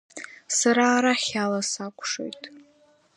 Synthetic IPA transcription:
saɾaːɾaχʲalasakʷʰʼʂo̰jtʼ

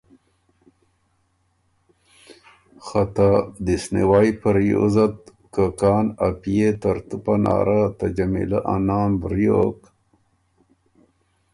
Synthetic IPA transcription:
xat̪ad̪isnḭwaːjpəɾjo̰zat̪̚ | kakɑːnapijet̪aɾt̪upana̰ːɾat̪ad͡ʒamḭlaʔanaːmbɾjoːk

